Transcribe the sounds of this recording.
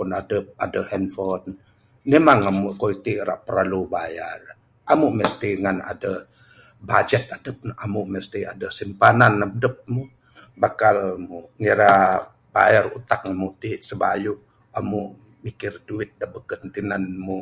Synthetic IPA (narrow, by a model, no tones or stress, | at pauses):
pʊnadəp̚adəhɛnfɔt | nemaŋamuʔkoit̪iʔɾa̰ʔpəɾalubajar | ʔamuʔməst̪iŋana̰də | bad͡ʒɛt̪̚adəp̚amuʔməst̪iadəsimpananadəp̚mu | bakalmuŋiɾa | b̥a̰jarut̪ak̚ŋamuʔt̪iʔsəba̰juʔ | amuʔ | mikɪrduɪt̪̚dəbəkənt̪inanmu